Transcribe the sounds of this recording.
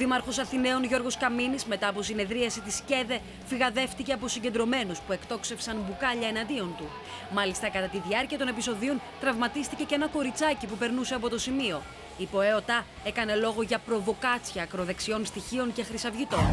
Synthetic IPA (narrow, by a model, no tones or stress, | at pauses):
oðimɐɾxo̞sɐθine̞o̞nʝo̞ɾɣo̞skɐminizme̞t̪ɐːp̬o̞sine̞ðɾiɐsit̪isce̞ðe̞ | fiɣɐðe̞ft̪ice̞ɐpo̞siɲɟend̪ɾo̞me̞nuspue̞kt̪o̞kse̞fsɐnbukɐʎɐe̞nɐnd̪io̞nt̪u | mɐlist̪ɐkɐt̪ɐt̪iðiɐɾciɐt̪o̞ne̞piso̞ðio̞n | t̪ɾɐvmɐt̪ist̪ice̞ce̞nɐko̞ɾit͡sɐcipupe̞ɾnuse̞ɐpo̞t̪osimio̞ | ipo̞eo̞t̪ɐ | e̞kɐne̞lo̞ɣo̞ʝɐpɾo̞vo̞kɐt͡sçɐːkɾo̞ðe̞ksio̞nst̪içio̞ŋce̞xɾisɐvʝit̪o̞n